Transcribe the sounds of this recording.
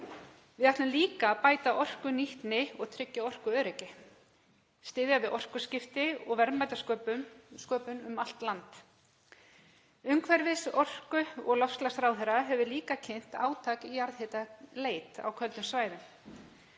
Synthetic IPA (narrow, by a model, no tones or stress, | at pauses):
vɪðaht̪lɪmliːkapaːjt̪aʔɔr̥kʏniht̪nɪɔɣt̪ʰɾɪcːaɔr̥kʏœːɾɛcɪ | st̪ɪːðjavɪðʔɔr̥kʏscɪft̪ɪɔɣvɛɾmajt̪askœskœːpʏnʏmal̥t̪lant̪ | ʏmkʰvɛɾvɪsɔr̥kʏɔɣlɔfslasɾaːwðθɛɾaɦɛvʏliːkacʰejn̥t̪a̰ːwt̪ʰaːkijaɾðheːt̪aleːjt̪a̰wkʰœlt̪nʏmsvaːjðʏm